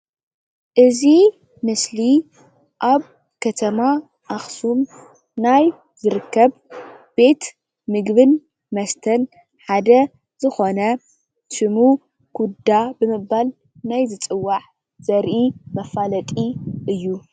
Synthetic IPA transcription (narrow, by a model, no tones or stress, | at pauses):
ʔɨzi | mɨsli | ʔaβ | kʰɐt̪ʰɐma | ʔaxsum | naj | zɨɾɨkːɐβb̥e̞t̪ | mɨɡβɨn | mɐst̪ʰɐn | ħad̪ɐ | z̥ɨxo̞nɐ | ʃɨmu | ɡ̥ud̪abɨmɨbal | najzɨt͡sʼɨwːaʕ | z̥ɐɾʔimɐfalɐt̪ʼiʔɨjːu